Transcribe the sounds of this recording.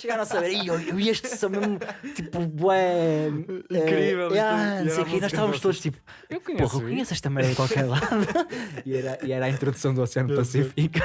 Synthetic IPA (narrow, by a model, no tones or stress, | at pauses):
ʃɨɣaɾ̃ɐsɐβeɾɐioieʃt̪sɐ̃w̃meʒmut̪ipubɐ | ĩɛɾivɛlˠanɐ̃sejukeinɔzʃt̪avɐmuʃt̪odðuʃt̪ipu̥ | ewkuɲpoʁɐkuɲesɛʃt̪ɐmɛɾɐðkwalˠkɛɾlˠaðuiɛɾɐʔiɛɾaĩnt̪ɾuðusɐ̃w̃d̪uɔsiɐnpɐsifiku